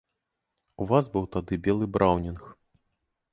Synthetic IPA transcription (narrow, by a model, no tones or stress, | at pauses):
uvazbɨwt̪ad̪ɨbʲɛlˠɨbɾʔawnʲinx